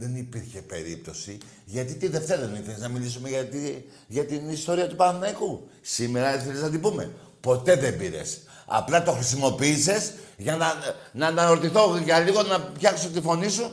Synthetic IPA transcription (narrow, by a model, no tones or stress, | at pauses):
ðenipiɾçe̞pe̞̰ɾḭp̚t̪o̞si | ʝɐt̪it̪iðe̞ft̪e̞ɾɐðenifieznɐmilis̬umeʝɐt̪i | ʝɐt̪inist̪o̞ɾiɐt̪upɐneku | sime̞ɾɐsfiɾeznɐt̪̬ibume̞̰ | po̞t̪e̞ðe̞mbiɾḛs | ɐ̰plɐt̪o̞xɾisimo̞piiːse̞sʝɐnɐnɐnɐoɾt̪iθo̞ʝɐliɣo̞nɐpçɐksot̪ifo̞nisu